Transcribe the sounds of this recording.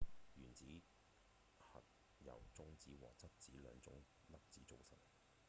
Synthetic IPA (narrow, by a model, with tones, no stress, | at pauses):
jyː˨˩nt͡siː˨˥ | hɐ̰˨t̚ | jɐ̰˨˩wt͡sʊ˥ŋt͡siː˨˥wɔ̰ː˨t͡sɐ˥t̚t͡siː˨˥lœ̰ː˨˧ŋt͡sʊ̰˨˥ŋ | lɐ˥p̚t͡siː˨˥t͡so˧wsɐ˥t